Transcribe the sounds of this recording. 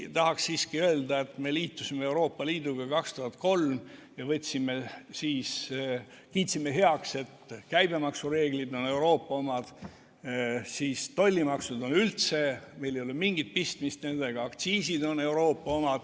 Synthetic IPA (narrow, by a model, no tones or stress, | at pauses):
t̪ɑhɑksːiːskiøe̞ld̪ɑe̞t̪me̞liːt̪ːˑusimeewɾo̞ːpˑːɑliːd̪uɡ̥ɑkɑkst̪uɦɑt̪̚ˑko̞lm | jɑvɤt̪ʲsimːesiːs | kiːt̪simːeɦe̞ɑkse̞t̪kæjbe̞mɑksuɾe̞ːɡlid̪o̞ne̞wɾo̞ːpːˑɑomɑd̪̥ | siːst̪o̞lʲːimɑksud̪o̞nylt̪se̞mejlejolemiŋɡ̥it̪̚pist̪mist̪ne̞nd̪̥e̞ɡ̥ɑɑkt̪siːsid̪o̞ne̞wɾo̞ːpːˑɑo̞mɑd̪̥